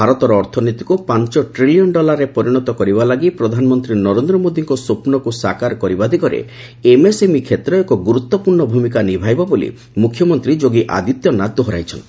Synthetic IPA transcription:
bʱaɾɔt̪ɔɾɔːɾt̪ʰɔnit̪i̥kupaɲt͡ʃɔʈɾilijɔnɖɔlaɾːepɔɾiɽ̃ɔt̪ɔkɔɾibalaɡipɾɔd̪ʱanɔmɔnt̪ɾinɔɾend̪ɾɔmod̪iŋkɔsopnɔkusakaɾkɔɾibad̪ʱikɔɾḛ | emesemikʰet̪ɾɔekɔɡuɾut̪ːɔpuɾɳɔbʱumikanibʱajbɔbolḭ | mukʰːjɔmɔnt̪ɾid͡ʒoɡiʔa̰d̪it̪jɔnat̪ːɔɦɔɾa̰jt͡ʃʰɔnt̪i̥

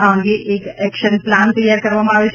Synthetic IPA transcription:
ãŋɡiʔeːkɛkʃənplant̪əjaɾkɐɾʋamãaʋet͡ʃʰ

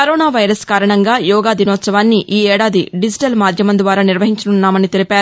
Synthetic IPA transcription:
kɐɾɔːnaːʋɐjɾɐskaːɾɐɳɐŋɡaːjɔːɡaːd̪inɔːt̪sɐʋaːnːiʔiːɛːɽaːd̪iɖid͡ʒi̥ʈɐlmaːd̪ʱjɐmɐnd̪ʋaːɾaːniɾʋɐɦiɲt͡ʃɐnunːaːmɐnit̪e̞lipaːɾu

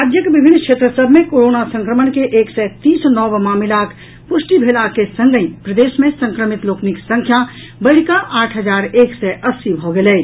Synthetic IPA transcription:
ad͡ʒjəkbibʱinːkʃʰet̪ɾəsəbʱmẽkoɾonasə̃ŋkɾəmənkeʔeːksɛt̪iːsnɔbmaːmilak | pusʈibʱelakesə̃ŋɡəĩpɾəd̪esmẽsə̃ŋkɾəmit̪loːkniksə̃ŋkʰja | bəɽ̤kaʔaːʈʰɦəd͡ʒaːɾeːksɛʔəsːibʱoɡelɛː

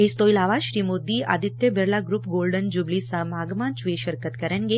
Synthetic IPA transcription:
est̪oːilaːʋaʃɾiːmod̪ia̰ːd̪ɪt̪ːjəbəɾlaɡɾupɡoːlɖənd͡ʒʊblisamaːɡmãːnt͡ʃʋeʃəɾkət̪kɐɾənɡe

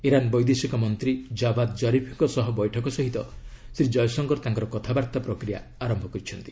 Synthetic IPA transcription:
iɾanbɔjd̪esikɔmɔnt̪ɾid͡ʒabad̪d͡ʒɔɾipʰiŋkɔsɔɦɔbɔjʈʰɔkɔsɔɦit̪ɔ | sɾid͡ʒɔjɔsɔŋɡɔɾt̪aŋkɔɾɔkɔt̪ʰabaɾt̪apɾɔkɾija | aɾɔmbʱɔkɔɾit͡ʃʰɔnt̪i̥

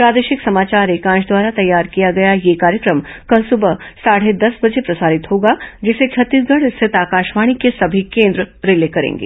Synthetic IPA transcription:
pɾaːd̪eːʃɪksɐmaːt͡ʃaːɾeːkãːd͡ʒd̪waːɾat̪ɐjːaːɾkijaɡɐjajekaːɾjəkɾəmkɐlsʊbəɦsaːɽ̤ed̪ɐsbɐd͡ʒepɾɐsaːɾɪt̪ɦoːɡad͡ʒɪset͡ʃʰɐt̪ːiːsɡɐɽɪst̪et̪aːkaːʃmaːɽ̃ikesɐbʱikẽːnd̪ɾəɾɪleːkɐɾḛ̃ːŋɡḛː

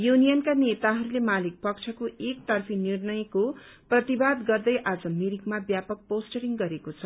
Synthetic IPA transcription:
junijʌnkanet̪aɦʌɾulemalik̚pʌkt͡sʰʌkoʔek̚t̪ʌrpʰinirnʌjko | prʌt̪ibad̪ɡʌrd̪ʌjʔad͡zʌmiɾikmabjapʌk̚posʈʌɾiŋɡʌɾekot͡sʰʌ

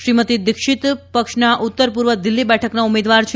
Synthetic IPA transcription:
ʃɾimət̪id̪ɪkʃɪt̪pəkʃnaʔut̪ːəɾp̬uɾʋəd̪ɪlːibɛʈʰəknaumed̪ʋaɾt͡ʃʰ

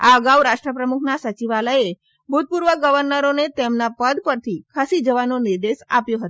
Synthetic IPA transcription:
a̰əɡawɾaʂʈɾəpɾəmukʰnasət͡ʃiʋaləe | bʱut̪̚puɾʋəɡəʋəɾnəɾonet̪emnapəd̪pəɾt̪ʰikʰasid͡ʒəʋanoniɾd̪eʃa̰pjoɦət̪o̥

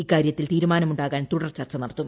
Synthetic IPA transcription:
ikːaːɾjɐt̪ːilt̪iːɾumaːnɐmuɳɖaːɣaːnt̪uɽɐrt͡ɕɐrt͡ɕːɐnɐɽɐt̪ːum

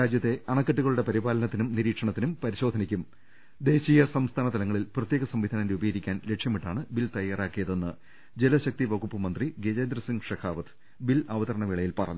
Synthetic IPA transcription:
aːd͡ʑjɐt̪ːe̞ʔɐɳɐkːɐʈːuɣɐɭuɽe̞pɐɾibaːlɐnɐt̪ːinumniɾiːkʂɐɳɐt̪ːinumpɐɾiɕo̞ːd̪ʱɐnikʲːum | d̪e̞ːɕiːjɐsɐmst̪ʰaːnɐt̪ɐlɐŋːɐɭilprɐt̪je̞ːɣɐsɐmʋid̪ʱaːnindeubɐjiɾikʲːaːnlekʂjɐmiʈːaːɳɨbilt̪ɐjːaːraːkːijɐðo̞nːɨ | d͡ʑelɐɕɐk̚t̪iʋɐɡupːɨmɐnd̪riɡed͡ʑeːnd̪rɐsiŋɡʂɐkʰaːʋɐt̪ɨ̥ | bilɐʋɐðɐɾɐɳɐʋiɭɐjilpɐrɐ̰ɲː

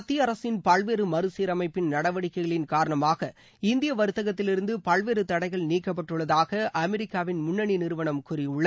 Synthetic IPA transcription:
ɐt̪ːɪjɐɐɾɐsɪnpɐɭʋeːɾɯmɐɾɯsiːɾɐmɐɪpːɪnnɐɽɐʋɐɽɪkːɐɪɣɐɭɪnkaːɾɐɳɐmaːɣɐ | ɪnd̪ɪjɐʋɐɾɯt̪ːɐɣɐt̪ːɪlɪɾɯnd̪ɯpɐɭʋeːɾɯt̪ɐɽɐɪɣɐɭniːkːɐp̬ːɐʈrɯɭːɐðaːɣɐʔɐmɛɾɪkːaːʋɪnmʊɳːɐɳinɪɾɯʋɐɳɐmkʊɾɪjʊɭːɐ

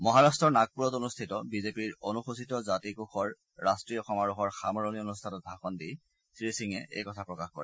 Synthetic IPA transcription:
mɔɦaɹastɹɔɹnak̚puɹɔtonustʰitɔbizepiɹonuxusitɔzatikuxɔɹː | astɹiɔxɔmaɹuxɔɹxamɔɹonionustʰatɔt̚dʱaxɔndij | sɹisiŋɛ̰ʔḛjkɔtʰapɹɔkaxkɔɹɛ

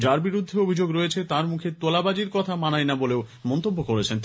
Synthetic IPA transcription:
d͡ʑaɾbiɾud̪ʱːeobʱid͡ʑoɡɾoet͡ɕʰet̪aɾmukʰet̪olabad͡ʑiɾkɔt̪ʰamanajnaboleomɔnt̪obːokoɾet͡ɕʰent̪

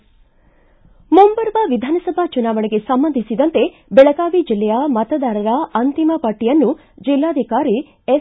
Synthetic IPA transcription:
mumbɐɾbɐʋid̪ʱaːnɐsɐbʱat͡ʃunaːʋɐɳeɡe̞sɐmbɐnd̪ʱisid̪ɐnt̪e̞ | bɛɭɐɡaːʋid͡ʒilːɛjɐmɐt̪ɐd̪aːɾɐɾɐɐnt̪imɐpɐʈːijɐnːu | d͡ʒilːaːd̪ʱikaːɾi | e

